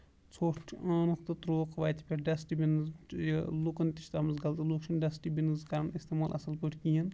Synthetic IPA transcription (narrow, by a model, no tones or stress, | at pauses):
t͡sʰoːʈʰaːnukt̪ɨt̪ɾoːqʰʋɐːt̪ʰi̥pʲɐɾɖɐsʈibʲinɨzlokɐnt̪i̥ʃt̪ɐmɐzɡɐlt̪ɨloːkʃɐnɖɐsʈibinɨzkɐɾɐnist̪emaːlʔɐ̰sɐlpəʈʰkijin